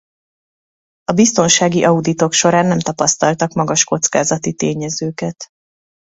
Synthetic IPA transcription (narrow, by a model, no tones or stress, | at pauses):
ɒbist̪o̞nʃaːɡiʔɒud̪it̪o̞kʃo̞ɾaːnːɛmt̪ɒpɒst̪ɒlt̪ɒkmɒɡɒʃko̞t̪skaːzɒt̪it̪eːɲɛzøːkɛt̪